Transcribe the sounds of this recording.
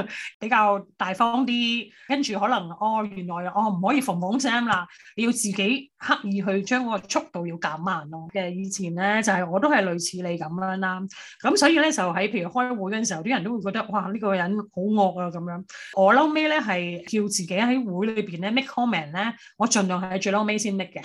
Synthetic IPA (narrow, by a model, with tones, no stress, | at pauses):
pe˨˥jkaː˧wt̪aː˨jfɔː˥ŋt̪̬iː˥kɐ˥nt͡ʃyː˨ɦɔː˨˥lɐ˨˩ŋɔː˧jyː˨˩nlɔː˨˩jɔː˧m̩˨˩ɦɔː˨˥jiː˧fʊ˨˩ŋpʊ˨˥ŋsɛː˥mlaː˧le˨˧ji˧wt͡siː˨˩ke˨˥jha˥k̚jiː˨˧ɦɵ˧ɥt͡ʃœː˥ŋkɔ˨˥ɔ˧t͡ʃʰʊ˥k̚t̪o˨wji˧wkaː˨˥mːaː˨˩nɔː˨˩kɛ˧jiː˨˧t͡sʰiː˨˩nlɛ˥t͡sɐ˨whɐ˨jɔː˨˧t̪̬o˥hɐ˨jlɵ˨ɥt͡sʰiː˨˧˥le˨˧jkɐ˨˥mlːnlaː˥kɐ˨˥msɔː˨˥jiː˨˧lɛː˥t͡sɐ˨wɦɐ˨˥jpʰe˧jɥy˨˩hɔː˥wuː˨˥jkɔ˧nsi˨˩hɐ˨wt̪i˥ɐ˨nt̪o˥wu˨˧kɔ˧t̪ɐ˥k̚waː˧liː˥kɔː˧jɐ˨˥nho˨˥wŋɔː˧k̚aː˧kɐ˨˦mjœː˨˥ŋʔɔː˨˧lɐ˨˥wme˥lɛː˥ɦɐ˨jkiː˧wt͡siː˨ke˨˥jɦɐ˨˥jwu˨˥jlɵ˨˧piː˨˩nlɛː˥mɪ˥kʰːɔː˥mɛː˨˩nlɛː˥ | ŋɔː˨˧t͡ʃɵ˨nlœː˨ŋɦhɐ˨jt͡ʃɵ˧lɐ˥wme˥jsiː˥nt̪ɪ˥kːɛ˧